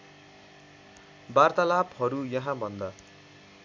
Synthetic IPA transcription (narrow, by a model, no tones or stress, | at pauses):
bart̪alapɦʌɾujʌɦãbʱʌnd̪ʌ